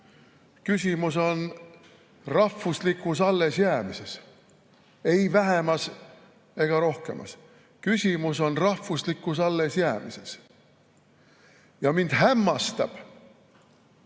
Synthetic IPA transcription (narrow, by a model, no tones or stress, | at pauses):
kysʲimuso̞n | rɑfːuslikːˑusɑlːe̞sjæːmise̞s | e̞jvæɦemɑs | e̞ɡ̥ɑɾo̞hke̞̰mʔɑ̰s | kysʲimuso̞nrɑfːuslikːˑusɑlːe̞sjæːmise̞s | jɑmind̪̥hæmːɑst̪ɑ̰b̥